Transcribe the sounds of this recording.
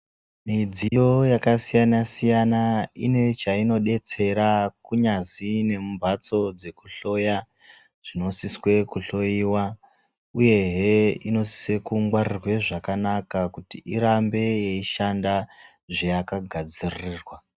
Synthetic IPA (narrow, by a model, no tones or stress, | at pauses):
mid͡zijo̞jakasijanasijanaine̞t͡ʃaino̞ɗe̞t͡se̞ɾakuɲazine̞mumbʱat͡so̞d͡ze̞kuɬo̞ja | ʐ̥ino̞siswe̞kuɬo̞iwa | uje̞ɦeino̞si̥se̞kuŋɡwarirwe̞ʐakanakakutiʔiɾambe̞jeiʃanda | ʐejakaɡʱad͡ziriːrwa